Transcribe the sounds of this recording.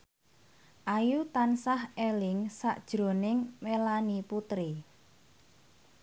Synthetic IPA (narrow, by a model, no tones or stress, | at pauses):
ʔajut̪ansahelɪŋsaʔd̥ʒ̥ɾo̤nɪŋmelaniput̪ɾi